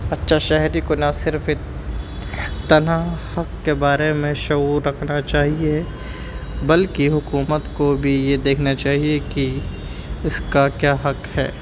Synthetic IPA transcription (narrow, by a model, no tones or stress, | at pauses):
ɐtːʃʰaʃɛɦɾikonasɪɾf | t̪ɐnahɐkːebaːɾemẽʃɐuːɾːɐkʰnat͡ʃaːɦie | bɐlkiɦʊkuːmət̪kobʱijed̪eːkʰnat͡ʃaːɦieki | ɪskakjaːɦɐkhɛ̰ː